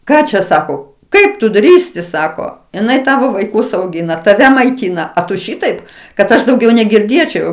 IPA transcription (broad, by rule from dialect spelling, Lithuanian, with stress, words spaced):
ˈkɑː t͡ʃʲɛ ˈsɑːkoː ˈkɐɪp tʊ ˈdʲrʲiːsʲtʲɪ ˈsɑːkoː ɪˈnɐɪ ˈtɑːʋoː ʋɐɪˈkʊs ɐʊˈɡʲɪnɐ tɐˈʋʲɛ mɐɪˈtʲiːnɐ ɐ tʊ ˈʃʲɪtɐɪp kɐt ˈɐʃ dɐʊˈɡʲɛʊ nʲɛɡʲɪrʲˈdʲeːt͡ʃʲɛʊ